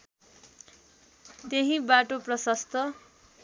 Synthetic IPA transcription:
t̪eɦĩbaʈoprʌsʌst̪ʌ

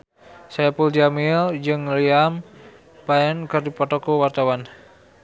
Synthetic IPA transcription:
sajapuldiamild͡ʒɨŋliam | paɛnkɨrdipɔt̪ɔkɔwart̪awan

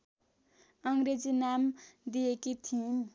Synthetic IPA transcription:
ʌŋɾed͡zinamd̪iekit̪ʰĩm

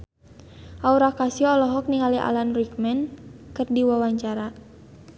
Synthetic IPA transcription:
ʔauɾakasijɔɔlɔɦɔk̚niŋaliʔa̰lanrikmɛnkɨrdiwawaɲt͡ʃaɾa

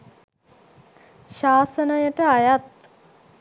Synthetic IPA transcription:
ɕaːsənɐjəʈəajat̪̚

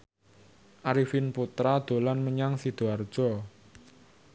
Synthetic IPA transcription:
ʔaɾifinput̪ɾad̪̥o̤lanməɲaŋsid̪̥oard̥ʒ̥ɔ

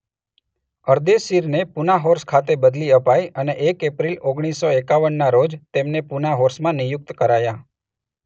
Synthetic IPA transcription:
əɾd̪esiɾnepunaɦoɾskʰat̪ebəd̪liəpajʔəneʔekepɾiloɡɳ̃isːoekaʋəɳːaɾod͡ʒt̪emnepunaɦoɾsmãnijʊk̚t̪kəɾaja

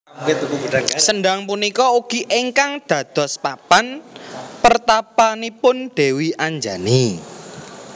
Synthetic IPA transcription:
t̪ubudaŋsənɖaŋpunikɔuɡ̥i̤ʔeŋkaŋd̪̥ä̤d̪̥ɔ̤spapanpərt̪apanipʊnɖ̪̥e̤wiʔaɲd͡ʒani

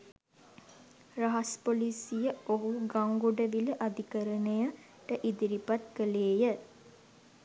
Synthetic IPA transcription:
raɦaspolisijəoɦuɡaŋɡoɖəʋiləʔad̪ikəɾənəjə | ʈəʔid̪iɾipat̪̚kəleːjə

